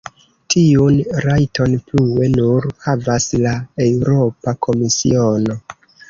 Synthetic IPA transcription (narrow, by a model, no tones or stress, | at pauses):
tʰiunɾajtʰo̞nplue̞nuɾhavaslaewuɾo̞pakʰo̞misḭo̞no̞